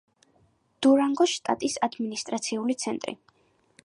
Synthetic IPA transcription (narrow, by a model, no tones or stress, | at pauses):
d̪̥uɾaŋɡɔʃt̪ʼa̰t̪ʼisad̪minist̪ʼɾat̪sʰiulit̪sʰɛnt̪ʼɾḭ